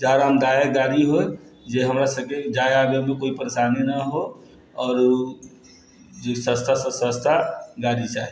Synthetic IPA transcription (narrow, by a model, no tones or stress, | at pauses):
d͡ʒaːɾaɦəmd̪ajaɡaɾiɦo | d͡ʒeɦəmɾasəb̚ked͡ʒajaɡemẽkoipəɾesanenaɦo | ɔːɾ | d͡ʒsə̃st̪ʰasə̃sə̃st̪ʰaɡaɾit͡ʃaːɦi